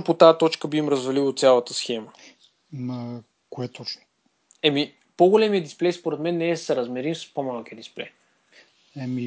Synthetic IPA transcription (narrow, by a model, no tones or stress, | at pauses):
pot̪ajət̪ɔt͡ʃkəbimɾəzvɐlilˠot̪sʲjalˠət̪əsxɛmə | mɐ | koɛt̪o | ɛmi | poɡolɛmiəd̪isplɛjspoɾɛt̪mɛnːɛːsɛɾɐzmɛɾimsə̥spomalˠkiəd̪isplɛ̰j | ɛmi